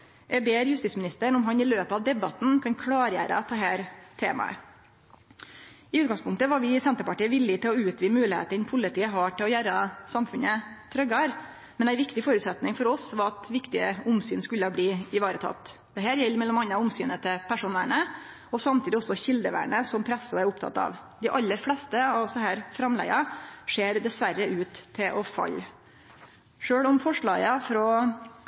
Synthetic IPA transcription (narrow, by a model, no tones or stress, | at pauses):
jɛbeːɾjʉst̪it̪smɪnɪst̪əɳɔmɦɑnɪløːpɑʋd̪ɛbɑt̪n̩kʰɑnkʰlɑːɾjæ̰ːɾə̰t̪ɛɦæːɾt̪ʰeːmɑ̰ə̰ | ɪʉːɡɑŋspʰʊŋkt̪əʋɑɾʋɪsɛnt̪əɾpɑʈiːəʋɪlːɪt̪ʰɪlɔʉːt̪ʋiːmʉːlɪhḛːt̪əɾɪnpʰʊlɪt̪ʰiːəɦɑʈɪlɔjæɾɑsɑmfʉnət̪ʰɾœɡɑɾ | mɛnæɪʋɪkt̪ɪfoːɾʉːt̪sɛt̪nɪŋfɔɾɔsʋɑɾɑt̪ʋɪkt̪ɪəʊmsyːnskʉlːəbliːɪʋɑːɾət̪ʰɑ̰t̪ː | d̪ɛɦæːɾjɛlːmɛlːɔmɑnːɑʊmsyːnət̪ʰɪpʰæʂuːnæ̰ɳə | ɔsɑmt̪ʰiːd̪ɪɔsɔçɪld̪əʋæ̰ːɳəsɔmpʰɾɛsːʊæɾʊpt̪ʰɑ̰t̪ːɑ̰ːʋ | d̪ɪʔɑlːəɾfɽɛst̪əɑʋsɔhæːɾfɾɑmlæ̰ɪɑʂeːɾd̪ɛsʋæɾːəʔʉːt̪ʰːɪlʔɔfɑ̰lː | ʂøːɭɔmfɔʂɭɑ̰ːɡəfɾɔ